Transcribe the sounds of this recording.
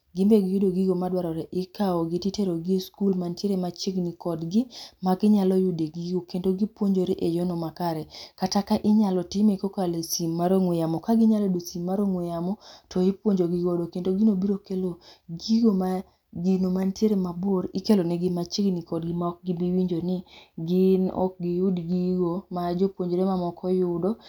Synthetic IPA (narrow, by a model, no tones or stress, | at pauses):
ɡɪmbeɡɪjʊdoɡiɡomadwaɾɔɾɛʔɪkaɔɡɪtiteɾoɡiskulmanteɾemat͡ʃɪɡnikɔdɡɪmaɡɪɲalɔjʊdeɡiɡokendoɡipwoɲd͡ʒoɾeʔejɔnɔmakaɾɛkatakaʔɪɲalɔtɪmekɔkalesimːaɾoŋwejamɔkaɡɪɲalɔdosimːaɾoŋwejamɔtʰɔipwoɲd͡ʒoɡɪɡɔdokendoɡinobiɾokeloɡiɡoma | ɡinomantjeɾemaboɾɪkelonɛɡɪmat͡ʃɪɡnɪkɔdɡɪmaɔk̚ɡibiwiɲd͡ʒonɪɡɪnɔ̰k̚ɡɪjʊdɡiɡomad͡ʒopwoɲd͡ʒoɾemamɔkʰɔjʊdɔ